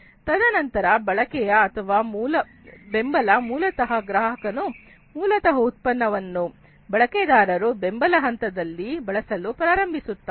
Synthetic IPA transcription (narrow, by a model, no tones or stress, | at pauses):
t̪ɐd̪ɐnɐnt̪ɐɾɐbɐɭɐkɛjɐːt̪ʰɐʋaːmuːlɐ | be̞mbɐlɐmuːlɐt̪ɐɦɐɡɾaːɦɐkɐnu | muːlɐt̪ɐɦɐut̪̚pɐnːɐʋɐnːu | bɐɭɐkɛːd̪aːɾɐɾubembɐlɐɦɐnt̪ɐd̪ɐlːibɐɭɐsɐlupɾaːɾɐmbʱisut̪ːa